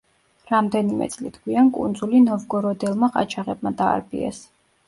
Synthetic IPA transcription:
ɾamd̪ɛnimɛ̰t̪sʼlḭt̪ʰɡʰwiankʼṵnd̪zulinɔvɡɔɾɔd̪ɛlˠmaχʼa̰t͡ʃʰaʁɛb̚mad̪a̰ːɾbḭɛ̰s

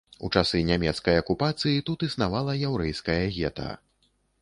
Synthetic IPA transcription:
ṵt͡ʂasɨnʲamʲɛt̪skɐjɐkupat̪sɨjit̪ut̪isnavalˠɐjawɾɛjskɐjɐɣʲɛt̪ɐ̰

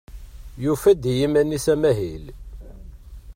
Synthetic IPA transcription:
jufæd̪jimænisæmæɦil

